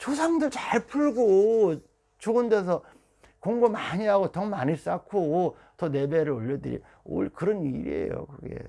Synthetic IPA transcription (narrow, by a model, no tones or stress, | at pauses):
t͡ɕos̬ʰaŋdɯɭt͡ɕaɭpʰuɭɡo | t͡ɕoɯnde̞s̬ʰʌ | koŋɡomaɲiɦaɡotʌmaɲis͈akʰo | tʌne̞beɾɯɭoʎːʌdɯɾḭ | o̰ɭkɯɾʌnḭɾḭḛjo̰kɯɡe̞̰